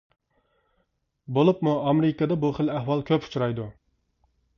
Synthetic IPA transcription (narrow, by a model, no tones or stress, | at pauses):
bolˠɪpmʊamɾɪkad̪abʊχɪlahvɑlˠkʲʰɵpʊ̥t͡ʃɾajd̪ʊ